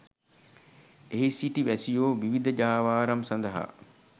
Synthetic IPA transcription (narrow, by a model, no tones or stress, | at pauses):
eɦisiʈiʋæsijoːʋiʋid̪əd͡ʒaːʋaːɾɐmsɐnd̪ɐɦa̰